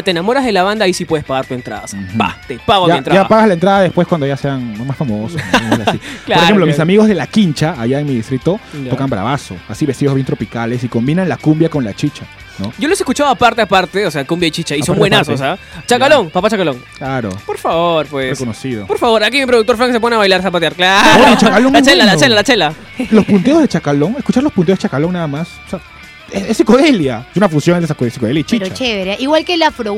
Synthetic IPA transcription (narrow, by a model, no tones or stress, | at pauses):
t̪eenamo̞ɾazðelaβand̪aːisipwe̞ð̞espaɣaɾt̪ue̞nt̪ɾa̰ðasa̰t̪epaɣoaent̪ɾaapaɣazlaent̪ɾaðaðespweskwand̪oʝaseanlomasfamososnoasilaoɾexemplomisamiɣo̞zðe̞lakint͡ʃaaʝaeŋmiðist̪ɾit̪o̞t̪o̞kambɾa̰βaso̞asiβest̪iʝozβjent̪ɾo̞pikalesiko̞mbinanlakumbjako̞nla̰t͡ʃit͡ʃa | noɟ͡ʝoloseskut͡ʃaðoapaɾt̪eapaɾt̪eoseakumbjait͡ʃit͡ʃaisombwenasosat͡ʃakalo̞ŋpapat͡ʃakalo̞ŋklaɾo̰po̞ɾfaβoɾfwerekonosiðopoɾfaβo̞ɾakimipɾoðuk̚t̪oɾf̬ɾaŋkeseponeaβajlaɾsapat̪jaɾklaɾot͡ʃakaloŋlat͡ʃelalat͡ʃelalat͡ʃela | lo̞spunt̪eozðet͡ʃakalo̞ŋeskut͡ʃaɾlo̞spune̥et͡ʃakalo̞ŋnaðamaso̥sea | esesikoðeljaesunafunsjo̞ŋeðesikoesikoðeljait͡ʃit͡ʃat͡ʃeɾaiɣwalkelafɾo